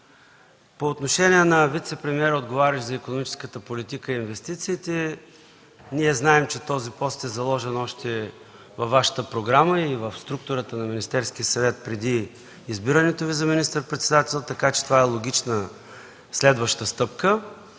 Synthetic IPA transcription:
poːt̪noʃɛniɛnɐvit̪sɛpɾɛmiɛɾəod̪ɡovaɾʲəʒzɐikonomit͡ʃɛ̥skət̪əpolit̪ikəiinvɛst̪it̪siːt̪ɛ | niɛznaɛmt͡ʃɛt̪ɔzipɔst̪ɛzɐlˠɔʒɛnɔʃt̪ɛ | vɐfvːaʃə̥t̪əpɾoɡɾaməivəfst̪ɾuk̚t̪ʊɾət̪ənɐminist̪ɛɾsk̟iəsɐvɛt̪̚pɾɛd̪iː | zbiɾənɛt̪ovizɐminist̪əɾpɾɛt̪sɛd̪at̪ɛlˠt̪ɐkat͡ʃɛ̥t̪ovaɛlˠoɡ̟ʲit͡ʃnə | slɛd̪vəʃt̪əst̪ɤpkə

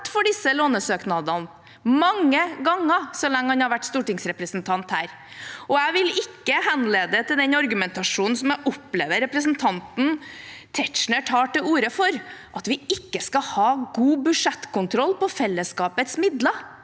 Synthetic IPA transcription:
ʈfɔɖɪsːəloːnəsøːknɑd̪ɑn | mɑŋːəɡɑŋːəsɔlɛŋːəhɑnhɑɾʋæʈːst̪uːʈɪŋsɾɛpɾəsnt̪ʰɑnt̪hæːɾ | ʔɔæɪʋɪlɪkːəhɛnleːd̪ət̪ɪld̪ɛnɑɾɡʉmɛnt̪ɑʂuːnn̩sɔmæʔɔpleːʋəɾɛpɾəsnt̪ʰɑnt̪n̩t̪ʰɛʈ̪ʃɳəʈʰɑːʈɪuːɾəfɔɾʔɑt̪ʋɪɪkːəskɑhɑːɡuːbʉʂɛt̪kʰʊnt̪ʰɾɔlːpɔfɛlːəskɑːpət̪smɪd̪lə

